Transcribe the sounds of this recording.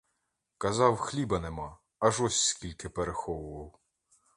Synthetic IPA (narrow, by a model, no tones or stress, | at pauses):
kɐzɑwxlʲibɐnemɑ | ɐʒɔsʲskʲilʲkɪpeɾexɔwʊʋɐw